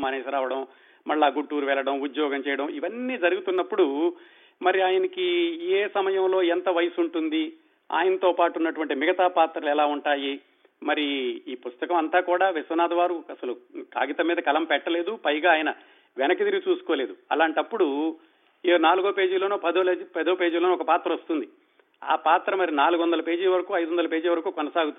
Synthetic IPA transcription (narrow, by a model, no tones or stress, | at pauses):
mɐneːsɐɾaːʋɐɽɐm | mɐɭːaːɡuɳʈːuːɾuʋɛɭːɐɽɐmud̪jɔːɡɐmt͡ʃɛːjɐɽɐmiʋɐnːiːd͡ʒɐɾuɡut̪unːɐpːuɽu | mɐɾiaːjɐnɐkieːsɐmɐjɐmlo̞ːɛnt̪ɐʋɐjɐsuɳʈund̪i | a̰ːjɐnɐt̪o̞ːpaːʈunːɐʈuʋɐɳʈimiɡɐt̪aːpaːt̪ɾɐlɛlaːuɳʈaːji | mɐɾiiːpust̪ɐkɐmɐnt̪aːkuːɽaːʋisʋɐnaːd̪ɐʋaːɾuɐsɐluka̰ːɡit̪ɐmːiːd̪ɐkɐlɐmpɛʈːɐle̞ːd̪upɐjɡaːjɐnɐ | ʋɛnɐkid̪iɾit͡ʃuːsu̥koːle̞ːd̪uɐ̰laːɳʈɐpːuɽu | naːluɡoːpe̞ːd͡ʒilo̞ːnuːpɐd̪oːpɐd̪oːpe̞ːd͡ʒuːloːnɔkɐpaːt̪ɾɐost̪und̪i | a̰ːpaːt̪ɾɐmɐɾinaːluɡuʋɐnd̪ɐlɐpe̞ːd͡ʒiːʋɐɾɐkuːɐjd̪uʋɐnd̪ɐlɐpe̞ːd͡ʒiːʋɐɾɐkuːkɔnɐsaːɡut̪ui